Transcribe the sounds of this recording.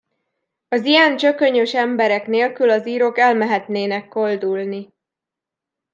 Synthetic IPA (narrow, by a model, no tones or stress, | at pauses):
ɒzijɛnt͡ʃø̞kø̞ɲøʃɛmbɛɾɛkneːlkylɒziːɾo̞kɛlmɛɦɛt̪neːnɛkːo̞ld̪ulni